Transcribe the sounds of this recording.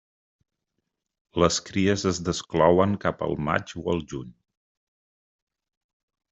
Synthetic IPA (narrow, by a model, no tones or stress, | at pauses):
ləskɾiəzəzðəsklɔwəŋkapə̰lˠma̰d͡ʒuəlˠʒuɲ